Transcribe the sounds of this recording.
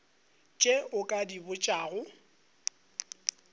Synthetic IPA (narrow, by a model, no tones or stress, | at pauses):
t͡ʃʼeʔʊkʼadibʊt͡ʃʼaːɣʊ